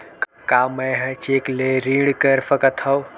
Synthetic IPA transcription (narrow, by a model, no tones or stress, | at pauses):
k | kaːmɐjɦɐt͡ʃeːkleɾiːɽkəɾfɐkɐt̪ʰɐw